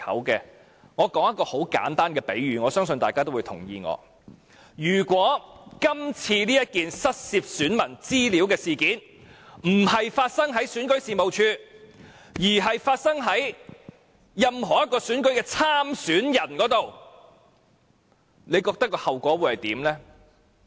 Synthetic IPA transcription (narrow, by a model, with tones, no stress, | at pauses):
ɐ̰˨˥wkɛ˧ | ŋɔː˨˧kɔː˨˥ŋjɐ˥t̚kːɔː˧ho˨˥wka̰ː˨˥nt̪aː˥nkɛː˧pe˨˥jɥyː˨ŋɔː˨˧sœː˥ŋsɵ˧nt̪aː˨jkaː˥t̪o˥wu˨˧t̪ʰʊ˨˩ŋjiː˨˧ŋɔ̰ː˨˧ | jyː˨˩kʷwɔː˨˥kɐ˥mt͡sʰiː˧liː˥jɐ˥t̚kiː˨nsɐ˥t̚siː˧p̚syː˨˥nmɐ˨˩nt͡siː˥li˨˥wkɛː˧siː˨˩kiː˨˥n | m̩˨˩hɐ˨jfaː˧t̚sɐ˥ŋɦɐ˨˥jsyː˨˥nkɵ˨˥ɥsiː˨˩mo˨wt͡ʃʰyː˧ | jiː˨˩ɦɐ˨jfaː˧t̚sɐ˥ŋɦɐ˨˥j | jɐ˨mɦɔː˨˩jɐ˥t̚kːɔː˧syː˨˥nkɵ˨˥ɥkɛː˧t͡sʰaː˥msyː˨˥njɐ˨˩nkɔː˨˥t̪o˨w | ne˨˧jkɔː˧k̚t̪ɐ˥kːɔː˧hɐ˨wkʷɔː˨˥wu˨˧jhɐ˨jt̪iː˨˥mlɛː˥